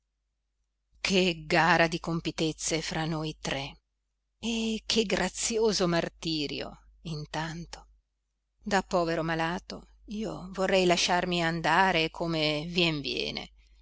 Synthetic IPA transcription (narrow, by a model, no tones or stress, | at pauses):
kʰeɡaːɾad̪ikompit̪et̪sːefɾanojt̪ɾɛ | ekʰːeɡɾʔat̪sjoːzomart̪iːɾjo̰ | int̪ant̪o̥ | d̪apːɔːveɾomalaːt̪o | iːovorːɛjlaʃarmiand̪aːɾekʰomevjɛɱvjɛ̰ːnḛ